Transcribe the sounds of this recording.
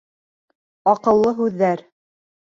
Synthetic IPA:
ɑqɤ̆lˠːɤɦʉðːæɾ

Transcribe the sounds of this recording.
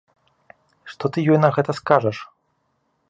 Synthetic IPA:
ʂt̪ɔt̪ɨjɔjnɐɣɛt̪ɐskaʐɐʂ

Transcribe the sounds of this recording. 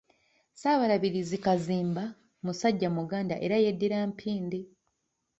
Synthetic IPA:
saːβaɾaβiɾizikaziːmba | musaɟːamuɡaːndaʔe̞ɾajedːiɾaːmpʰiːndi

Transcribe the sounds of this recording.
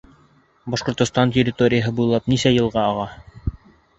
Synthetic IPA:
bɑʃqŏɾt̪ŏst̪ɑntʲeɾʲɪt̪o̞ɾʲɪjəɦɤbujlˠɑpnisæjɤ̆lˠʁɑɑʁɑ

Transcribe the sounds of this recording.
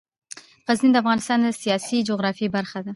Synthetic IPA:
ɣaznind̪əafɣɑnɪst̪ɑnd̪əsijɑsid͡ʒoɣɾɑfibaɾxad̪a

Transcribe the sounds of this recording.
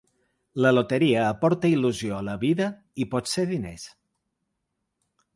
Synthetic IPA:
ləlot̪əɾiəːpɔɾt̪əiluzioələβiðə | ipɔt̪seðinḛs

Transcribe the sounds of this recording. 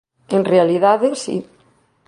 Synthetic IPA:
enrealiðaðesḭ

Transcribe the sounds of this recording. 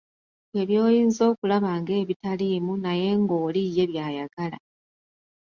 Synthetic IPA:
e̞βjo̞ːjiːnzo̞ːkulaβaːŋɡe̞ːβitaliːmunaje̞ŋɡo̞ːlijːe̞βjaːjaɡala̰

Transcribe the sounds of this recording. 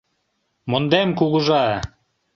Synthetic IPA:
mond̪emkuɣŭʒɑ

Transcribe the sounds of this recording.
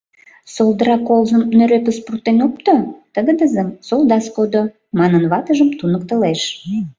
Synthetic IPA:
solˠd̪əɾɑkolzəmnøɾepəsprut̪enop̚t̪ot̪əɣəd̪əzəmsolˠd̪ɑskod̪o | mɑnənβɑt̪əʒəmt̪unək̚t̪əleʃ

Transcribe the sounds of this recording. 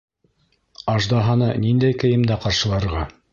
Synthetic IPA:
ɑʒd̪ɑɦɑnɤnind̪æjkɘ̆jɘ̆md̪æqɑɾʃɤ̆lˠɑɾʁɑ

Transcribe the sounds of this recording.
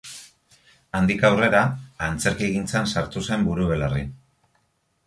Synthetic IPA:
and̪ikawre̞ɾaːnt͡se̞ɾkieɣint͡sansaɾt̪use̞mbuɾuβ̞e̞lari

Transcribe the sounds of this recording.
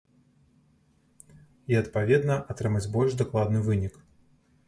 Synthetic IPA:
iɐt̪pavʲɛd̪nɐʔat̪ɾɨmad͡zʲbɔlʲʐd̪aklˠad̪nɨvɨnʲik

